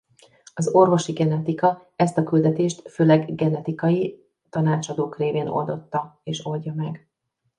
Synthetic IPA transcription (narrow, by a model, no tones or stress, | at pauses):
ɒzo̞rvo̞ʃiɡɛnɛt̪ikɒ | ɛst̪ɒkyld̪ɛt̪eːʃt̪føːlɛɡɡɛnɛt̪ikɒji | t̪ɒnaːt͡ʃɒd̪oːkreːveːno̰ld̪o̞t̪ːɒeːʃo̞lɟɒmɛɡ